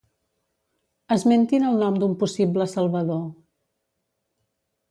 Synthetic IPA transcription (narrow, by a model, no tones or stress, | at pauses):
əzment̪inəlˠnɔmd̪umpusibləsəlˠβəðo